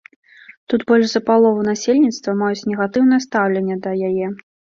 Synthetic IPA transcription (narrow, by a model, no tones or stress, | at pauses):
t̪ut̪bɔlʲʐzɐpalˠɔvunasʲelʲnʲit̪st̪vɐmajut͡sʲnʲɛɣat̪ɨwn̪ɐjɐst̪awlʲenʲːɐd̪ɐjajɛ